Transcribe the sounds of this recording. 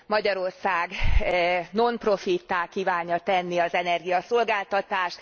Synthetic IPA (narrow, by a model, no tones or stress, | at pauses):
mɒɟɒɾo̞rsaːɡ | no̞npro̞fit̪ːaːkiːvaːɲːɒt̪ɛnːiɒzɛnɛrɡijɒso̞lɡaːlt̪ɒt̪aːʃt̪